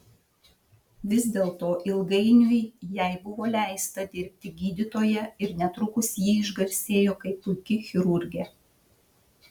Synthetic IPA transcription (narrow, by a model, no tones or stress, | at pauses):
ʋʲɪzd̪ʲeːlˠt̪oːʔɪlˠɡɐɪnʲʊjjɛɪbʊʋoːlʲæˑɪst̪ɐd̪ʲɪɾʲpʲt̪ʲɪɡʲiːd̪ʲɪt̪oːjɛɪɾnʲɛt̪ɾʊkʊsjiːɪʒɡɐɾʲsʲeːjoːkɐɪpʊɪkʲɪxʲɪɾʊɾʲɡʲe